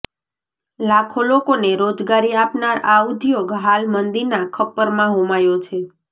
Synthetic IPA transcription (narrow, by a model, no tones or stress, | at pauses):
lakʰolokoneɾod͡ʒɡaɾiapnaɾaud̪ʱjoɡɦalmənd̪iɾnakʰəpːəɾmãɦomajot͡ʃʰe